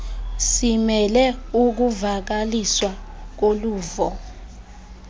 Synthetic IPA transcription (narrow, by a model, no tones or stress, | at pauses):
simɛlɛuk̬uvak̬aliswak̬oluːvɔ